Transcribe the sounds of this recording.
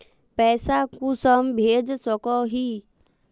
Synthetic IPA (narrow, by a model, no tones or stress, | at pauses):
pɛːsakusəmbʱeːd͡ʒsɔkɔɦiː